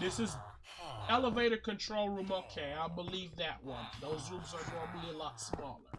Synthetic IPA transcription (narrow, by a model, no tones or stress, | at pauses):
ðɪsɨz | ɛlˠəveɪɾɨd̚kɨ̃ntʰɹ̥oʊlˠɹũmoʊkʰeɪaɪbəlivðɨʔ̚wʌ̰̃nðoʊzɹũmzə˞pʰɔbbəbliəlɔtsmɔ̰lˠə̰˞